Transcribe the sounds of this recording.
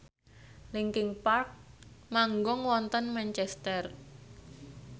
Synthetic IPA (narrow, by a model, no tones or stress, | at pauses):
liŋkɪŋpark̚maŋɡɔŋwɔnt̪ənmant͡ʃɛst̪ɛr